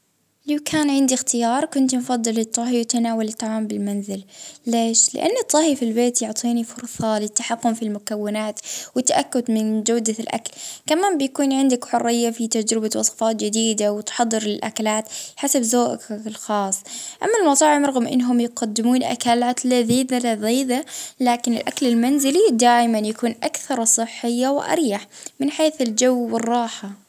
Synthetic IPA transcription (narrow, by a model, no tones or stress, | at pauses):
lawkʰaːnʕɪnd̪ixt̪ɪjɑːɾˤkʊnt̪mfɑd̪ˤːɨlɨt̪ˤːɑɦiwt̪anaːwalɪt̪ːɑʕaːmbɪlmanzɪlleːʃlɪ̰ʔa̰nːɨt̪ˤːɑhifilbeːt̪jʊʕt̪ˤiːnifʊɾˤsˤɑlɪt̪ːaħaqːʊmfilmʊkawːɪnaːt̪wɪt̪ːaʔakːʊd̪mɪnd͡ʒawd̪alʔa̰kalkamaːmbɪjakuːnʕɪnd̪ɪkħʊrːɪjːafit̪ad͡ʒɾɪbawɑ̰sˤfɑːt̪d͡ʒɪd̪iːd̪awɪt̪ħɑd̪ˤːɨɾlɪlʔa̰kalaːt̪ħasabzoːʔklxɑːsˤːʔamːalmɑt̪ˤɑːʕɪmɾˤɑɣʊmʔɪ̰nːɦʊmjɪqad̪ːɪmuːnʔa̰kalʕat̪lɪðiːðalaðiːðalaːkɪnɪ̰lʔaklɪlmanzɪlid̪aːjmanjakuːnʔakθɑɾˤsˤɨħːɪjːawɪ̰ʔɑ̰ɾjaħmɪnħeːθɪld͡ʒawːɪrˤːɑːħa